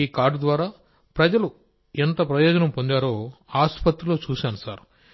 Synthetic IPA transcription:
iːkaːɾɖd̪ʋaːɾaː | pɾɐd͡ʒɐlu | ent̪ɐpɾɐjɔːd͡ʒɐnɐmpo̞nd̪aːɾoːaːspɐt̪ɾulo̞ːt͡ʃuːsiɐnusaːɾu

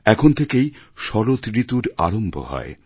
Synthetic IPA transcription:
ɛkʰont̪ʰekejʃɔɾot̪ɾit̪uɾaɾombʱo̰hɔ̰e

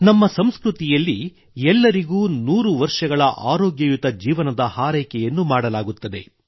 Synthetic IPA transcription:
nɐmːɐsɐmskɾut̪ijɐlːi | ɛlːɐɾiɡuːnuːɾuʋɐɾʂɐɡɐɭɐʔaːɾoːɡjɐjut̪ɐd͡ʒiːʋɐnɐd̪ɐhaːɾɛjkɛjɐnːumaːɽɐlaːɡut̪ːɐd̪e̞

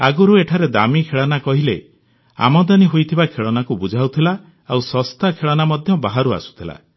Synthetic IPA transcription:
aɡuɾueʈʰaɾed̪amikʰeɭɔnakɔɦile | a̰mɔd̪aniɦojt̪ʰibakʰeɭɔnakubud͡ʒʱawt̪ʰila | awsɔst̪akʰeɭɔnamɔd̪ʱjɔbaɦaɾua̰su̥t̪ʰila̰

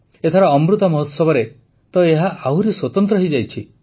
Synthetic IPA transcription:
et̪ʰɔɾaɔmɾut̪ɔmɔɦɔsɔbɔɾe | t̪ɔeɦaʔauɾiswɔt̪ɔnt̪ɾɔɦejd͡ʒajt͡ʃʰi

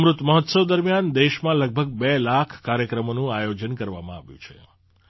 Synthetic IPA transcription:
mɾut̪məɦɔt̪səʋd̪əɾmijand̪eʃmãləɡ̚bʱəɡ̚belakʰkaɾjəkɾəmonũajod͡ʒənkəɾʋa̰mã̰aʋjṵ̃t͡ʃʰḛ

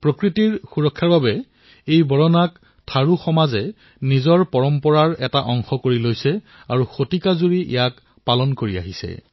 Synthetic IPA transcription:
pɹokɹitiɹxuɹɔkʰːaɹbabɛ | ejbɔɹɔnak | tʰaɹuxɔmazɛ | nizɔɹpɔɹɔmpɔɹaɹɛtaʔɔŋxɔkoɹilojsɛ | aɹuxotikazuɹiʔɛ̰jak | palɔnkoɹia̰ɦisɛ̰

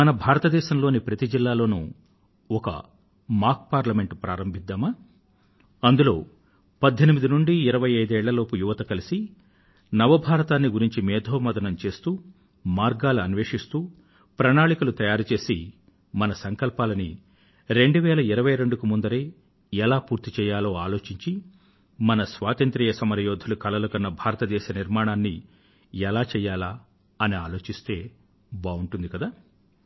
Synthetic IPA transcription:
mɐnɐbʱaːɾɐt̪ɐd̪ɛːʃɐmlo̞ːnipɾɐt̪id͡ʒilːaːlo̞ːnṵ | ɔkɐ̰ | maːɾkpaːɾlɐme̞ɳʈpɾa̰ːɾɐmbʱid̪ːɐma | ɐnd̪ulo̞̰ː | pɐd̪ʱːɐnimid̪inuɳɖiːɾɐʋɐjɐjd̪ɛːɭːɐlo̞ːpujuʋɐt̪ɐkɐlisi | nɐʋɐbʱaːɾɐt̪aːnːiɡuɾiɲt͡ʃimɛːd̪ʱoːmɐd̪ɐnɐmt͡ʃe̞ːst̪uː | maːɾɡaːluɐnʋeːʂist̪uː | pɾɐɳaːɭikulut̪ɐjaːɾut͡ʃe̞ːsi | mɐnɐsɐŋkɐlpaːlɐnḭ | ɾe̞ɳɖuʋɛːlɐiɾɐʋɐjɾeɳɖukumund̪ɐɾe | ɛlaːpuːɾt̪it͡ʃɛːjaːlo̞ːaːlo̞ːt͡ʃiɲt͡ʃi | mɐnɐsʋaːt̪ɐnt̪ɾiːjɐsɐmɐɾɐjoːd̪ʱɐlukɐlɐlɐkɐnːɐbʱaːɾɐt̪ɐd̪ɛːʃɐniɾmaːɳaːnːi | ɛlaːt͡ʃɛːjaːlaː | ɐniaːlo̞ːt͡ʃist̪e̞ː | baːuɳʈund̪ikɐd̪aː

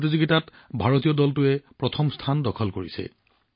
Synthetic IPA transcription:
tizuɡitat | bʱaɹotijɔdɔltʊɛpɹɔtʰɔmstʰandɔkʰɔlkoɹisɛ̰

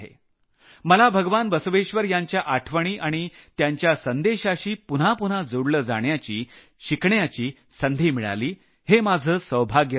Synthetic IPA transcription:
ɦḛ | məlabʱəɡʋanʋəsuʋeɕʋəɾjaɲt͡ɕjaʔaʈʰʋəɽ̃iːʔaɽ̃it̪jaɲt͡ɕjasənd̪eɕaɕiːpun̤apun̤ad͡zoɽləːd͡za̰ɳjat͡ɕiː | ɕikɳjat͡ɕiː | sənd̪ʱiːmiɭa̰liː | hemad͡zʱəːsəwbʱaɡjə

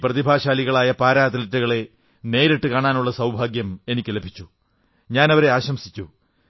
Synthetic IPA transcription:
prɐðibʱaːɕaːliɣɐɭaːjɐpaːɾaːd̪ɐlɐtːuɣɐɭe̞ | ne̞ːɾeʈːɨkaːɳaːnuɭːɐsɐwbʱaːɡjɐme̞nikʲːɨle̞bʱit͡ɕːu | ɲaːnɐʋɐɾe̞aːɕɐmsi̥t͡ɕːu

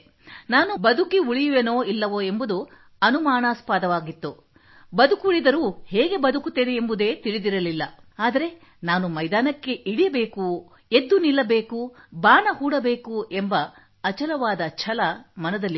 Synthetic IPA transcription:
naːnubɐd̪ʱukiuɭijuʋeːnoːilːɐʋoe̞mbud̪u | ɐnumaːɳaːspaːd̪ɐʋaːɡit̪ːu | bɐd̪ukuɭid̪ɐɾuːheːɡe̞bɐd̪ukut̪ːeːneːmbud̪e̞ːt̪iɽid̪iɾɐlilːɐaːd̪ɐɾe̞ | naːnumɐjd̪aːnɐkːe̞ʔiɽijɐbe̞ːku | e̞d̪ːunilːɐbe̞ːkubaːɳɐhuːɽɐbe̞ːkue̞mbɐ | ɐt͡ʃɐlɐʋaːd̪ɐt͡ʃʰɐlɐmɐnɐd̪ɐlːi

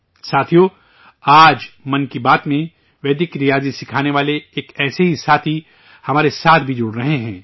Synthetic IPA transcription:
saːt̪ʰijo | aːd͡ʒmɐnkibaːt̪mẽ | ʋɛːd̪ɪkɾijaːzisɪkʰaːneʋaːleeːkɛːseɦisaːt̪ʰi | hɐmaːɾesaːt̪ʰbʱid͡ʒʊɽɾɐɦeɦɛ̃ː

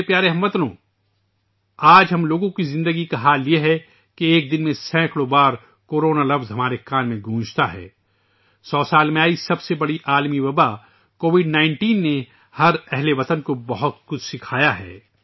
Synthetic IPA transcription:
pjaːɾeɦɐ̃mʋɐt̪nõ̰ː | aːd͡ʒɦɐmloːɡõkizɪ̃nd̪əɡikaɦaːljeɦɛ | keeːk̚d̪ɪnmẽsɛ̃ːkɽobaːɾ | koːɾoːnalɐfzɦɐmaːɾekaːnmẽɡʱũːd͡ʒt̪aɦɛ̰ː | sɔːsaːlmẽaːisɐbsebɐɽiʔaːlmiʋɐba | koːʋɪɖnãːɪ̃ɳʈiːnːe | hɐɾɛɦleʋɐt̪ənkobɐɦʊt̪kʊt͡ʃʰsɪkʰaːjaɦɛ̰ː

